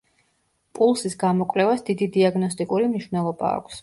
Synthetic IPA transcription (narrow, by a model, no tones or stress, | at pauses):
pʼulˠsisɡamɔkʼvlɛvasd̪id̪id̪iaɡnɔst̪ʼikʼuɾimniʃvnɛlˠɔba̰ːkʷʰs